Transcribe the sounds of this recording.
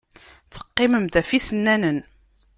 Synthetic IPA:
fə̥qːɪməmt̪æfisənːænən

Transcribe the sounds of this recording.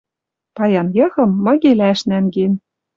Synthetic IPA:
pɑjɑnjɤ̆xɤ̆mːɤ̆ɣelæʃnænɡen

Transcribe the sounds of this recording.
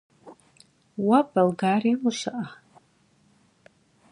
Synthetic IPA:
wabalɡariwuʃʷaʔa

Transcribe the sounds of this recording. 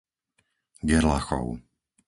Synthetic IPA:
ɡɛɾlaxɔ̰ʊ

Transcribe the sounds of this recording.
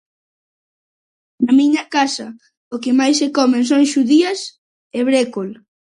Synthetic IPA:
nɐmiɲɐkasɐ | okɪmajsekɔmẽns̬oŋʃuðiɐs | ɛβɾekol

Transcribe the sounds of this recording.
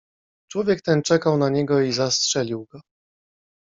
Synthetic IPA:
t͡ʂwɔvʲjɛk̚t̪ɛnt͡ʂɛkawnaɲɛɡɔizastʂɛlʲiwɡɔ

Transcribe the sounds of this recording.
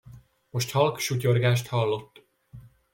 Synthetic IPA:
mo̞ʃt̪hɒlkʃuco̞rɡaːʃt̪hɒlːo̞t̪ː

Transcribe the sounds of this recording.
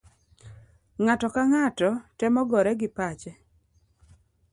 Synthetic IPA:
ŋatɔkaŋatɔtɛmɔɡɔɾɛɡɪpat͡ʃɛ

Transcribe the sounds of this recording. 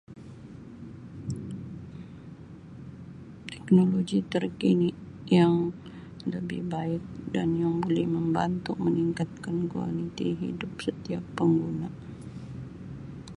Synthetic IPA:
t̪ɛknoloɡit̪ərkini | jaŋ | ləbɪ̰hbaɪk̚danjaŋbolɛhməmba̰nt̪uməniŋkat̪̚kankua̰lit̪iɦḭdʊpsət̪iapːəŋɡuna

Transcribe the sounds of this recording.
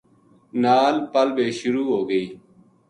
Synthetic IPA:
naːlpəlbeːʃʊɾuːɦoːɡəiː

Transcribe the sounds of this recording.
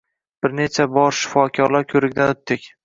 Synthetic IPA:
b̥ɪɾnet͡ʃʰabɒɾʃɪ̥fɒkʲʰɒɾlaɾkʲʰɵɾɪkʲd̪anɵt̪ːɪkʲ

